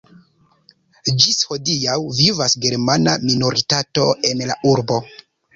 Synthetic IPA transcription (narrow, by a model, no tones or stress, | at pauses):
d͡ʒisho̞dijawvivasɡe̞ɾmanamino̞ɾitato̞e̞nla̰ʔuɾbo̞